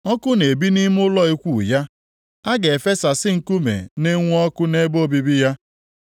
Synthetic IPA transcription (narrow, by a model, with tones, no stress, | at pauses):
ɔ˦kʊ˦ne˨bi˦ni˦m˦ʊ˦lɔ˦i˦kʷu˨ja˦ | a˦ɡe˨fe˦sa˨sɪ˦ŋ̩˨ku˦mḛ˨ne˦ŋʷ˦ɔ˦kʊ˦ne˦bo˦bi˦bi˦ja˦